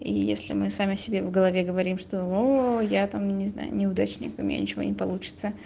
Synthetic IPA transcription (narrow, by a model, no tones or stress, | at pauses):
ḭjḛsʲlʲɪ̰mɨsamʲɪsʲɪbʲevɡəlˠɐvʲeɡəvɐɾʲimʂt̪oojat̪amnʲɪzna̰jʊ̰nʲɪʊd̪at͡ɕnʲɪ̰kʊmʲɪ̰nʲa̰nʲɪt͡ɕɪvo̞̰nʲɪpɐlˠut͡ɕɪ̥t̪sə